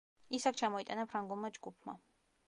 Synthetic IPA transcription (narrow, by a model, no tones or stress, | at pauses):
isak̚ʰt͡ʃʰamɔit̪ʼanapʰɾaŋɡulˠmad͡ʒɡupʰma̰